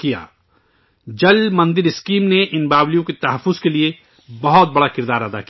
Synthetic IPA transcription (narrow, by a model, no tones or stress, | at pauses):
kija̰ː | d͡ʒɐlmɐ̃nd̪ɪɾɪskiːmneʔɪnbaːblijõket̪ɐɦəfːʊzkelie | bɐɦɔt̪̚bɐɽakɪɾd̪aːɾəd̪a̰ki